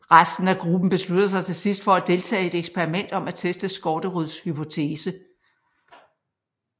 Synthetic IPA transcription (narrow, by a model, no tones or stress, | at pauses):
ʁasd̥n̩æɡ̥ʁub̥n̩b̥e̝slud̥ɐs̬ɑ̈ɪt͡sʰe̝lsisd̥fɒ̽æd̥e̝lt͡sʰɛ̰ːe̝ɾ̥eɡ̥spʰeɐʁimen̰d̥ɒ̽mæt͡sʰesd̥əsɡ̥ɒːd̥əʁuðˠshypʰo̝t͡sʰe̝ːsə